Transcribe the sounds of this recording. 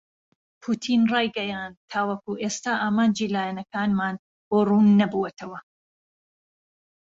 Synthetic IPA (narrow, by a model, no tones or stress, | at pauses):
pʰuːt̪ʰiːnrɑːjɡɐjaːnd̪̚t̪ʰːaːwɐkuːʔeːst̪aːʔaːmaːnd͡ʒiːlaːjɛnɐkaːnmaːn | boːruːnːɐbuwɛt̪ʰɐwɐ